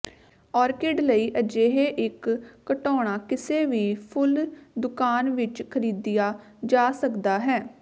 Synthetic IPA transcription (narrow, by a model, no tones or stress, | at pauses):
ɔːɾkɪɖləiːʔəd͡ʒeːɦeːʔɪkːəʈɔːɽ̃aːkɪseːʋiːpʰʊld̪ʊkaːnʋɪt͡ʃkʰəɾiːd̪ɪjaː | d͡ʒaːsəkd̪aːɦɛː